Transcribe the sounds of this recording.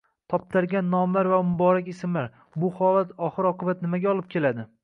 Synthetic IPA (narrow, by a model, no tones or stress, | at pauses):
t̪ʰɒp̚t̪ʰaɾɡʲanːɒmlaɾvamʊbɒɾakʲɪsɪmlaɾ | bʊhɒlat̪ʰɒχɨɾɒqʰɨbat̪nɪmaɡʲaɒlˠɪp̚kʲʰe̞lad̪ɪ